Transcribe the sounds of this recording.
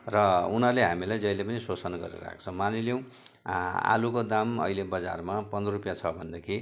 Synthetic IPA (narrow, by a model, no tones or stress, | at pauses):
rʌunʌleɦamilajd͡zʌjlepʌnisosʌnaɡʌ̰ɾḛɾa̰k̚ʰt͡sʰʌ̃maniljõw̃ | a̰lukod̪amʌ̰ilebʌd͡za̰rmapʌndrupjat͡sʰʌbʱʌnd̪ʌkʰi